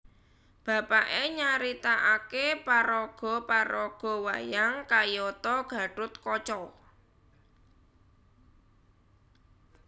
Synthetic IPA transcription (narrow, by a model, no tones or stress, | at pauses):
b̥a̤paʔeɲaɾit̪aʔakepaɾɔɡ̥ɔ̤paɾɔɡ̥ɔ̤wajaŋkajɔt̪ɔɡ̥ä̤ɖ̥ʊt̪̚kɔt͡ʃɔ